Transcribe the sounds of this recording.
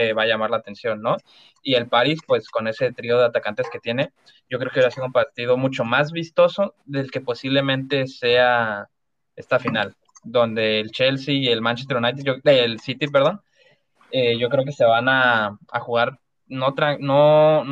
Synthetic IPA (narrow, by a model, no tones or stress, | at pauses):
eβaʝamaɾlaːt̪e̞nsjo̞nːo̞ | ie̞lpaɾispwe̞sko̞ne̞se̞t̪ɾio̞ðe̞at̪akant̪e̞sket̪je̞ne̞ | ɟ͡ʝok̬ɾekβɾasiðoumpaɾt̪ið̞o̞mut͡ʃo̞mazβist̪o̞so̞ðe̞lke̞po̞siβle̞mẽnt̪e̞se̞a | e̞st̪afinal | d̪o̞nd̪e̞ːlt͡ʃe̞lsiːelmãnt͡ʃest̪eɾunajt̪eʝoelsit̪ip̬eɾð̞on | eʝo̞kɾe̞ok̬ese̞βanaa̰xuɣ̞aɾ | no̞t̪ɾaŋno̞